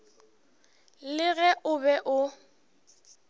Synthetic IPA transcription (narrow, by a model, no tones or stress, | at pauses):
lɪɣɛʔʊbɛʔʊ